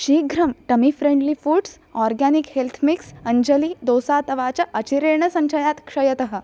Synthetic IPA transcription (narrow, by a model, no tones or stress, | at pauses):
ɕiːɡʱɾəmʈəmifɾeɳɖlifuːɖs | ɔɾɡanikhelt̪ʰmiksəɲd͡ʑəliːd̪osat̪əʋat͡ɕjaʔət͡ɕiɾeɳəsə̃ɲɕəjat̪kʂəjət̪əɦə